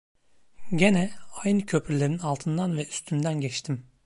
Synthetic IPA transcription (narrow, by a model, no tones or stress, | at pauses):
ɟenɛajnɯcʰø̞pʰyɾlʲe̞ɾinalˠt̪ʰɯnd̪anvɛyst̪ʰynd̪ænɟɛt͡ʃt̪ʰim